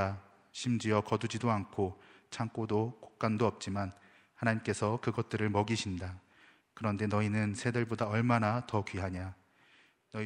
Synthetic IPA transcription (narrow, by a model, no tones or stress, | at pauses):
a | ɕʰimd͡ʑiʌkʌdud͡ʑidoankʰo | t͡ɕʰaŋk͈odokok̚k͈andoʌp̚t͡ɕ͈iman | hanaɲimk͈e̞sʰʌkɯɡʌt̚t͈ɯɾɯɭmʌɡiɕʰinda | kɯɾʌnde̞nʌinɯnsʰe̞dɯɭbodaʌɭmanatʌkɥiɦaɲa | nʌ